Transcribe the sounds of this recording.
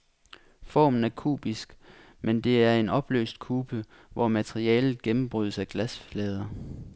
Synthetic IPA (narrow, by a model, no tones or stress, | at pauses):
fɒ̰ːmn̩æɐkʰṵːb̥isɡ̥ | mend̥e̝æɐe̝nɒ̽b̥lø̰ːsd̥kʰuːb̥ə | ʋɒmæt͡sʰʁiɛ̰ːlð̩ˠɡ̥emm̩b̥ʁyð̞̰ˠsæɡ̥læsflɛːð̞ˠɐ